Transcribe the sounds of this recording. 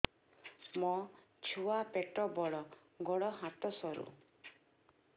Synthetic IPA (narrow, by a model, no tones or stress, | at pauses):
mɔ | t͡ʃʰuapeʈɔbɔɽɔ | ɡɔɽɔɦat̪ɔsɔɾṵ